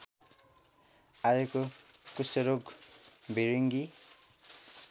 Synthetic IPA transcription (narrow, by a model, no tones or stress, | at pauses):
ajekokusʌɾoɡbʱiɾiŋɡi